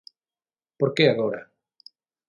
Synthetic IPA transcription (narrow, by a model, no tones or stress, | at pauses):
poɾkeaɣoɾa